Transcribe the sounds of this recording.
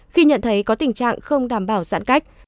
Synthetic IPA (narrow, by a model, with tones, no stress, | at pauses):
xi˧ɲə̰˧˨nt̪ʰə˨˦jkɔ˨˦t̪ï˨˩ŋ̟t͡ɕa̰ː˧˨ŋxə˧wŋ͡mɗaː˧˩mɓaː˧˩wza̰ː˧˥nka˦˥jk̚